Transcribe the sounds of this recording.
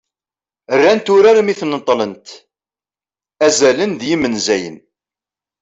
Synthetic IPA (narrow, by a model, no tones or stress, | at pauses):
ərːænt̪ʊɾaɾmiθnət̪ˤːlənt̪ | æzælənd̪jimənzæjə̰n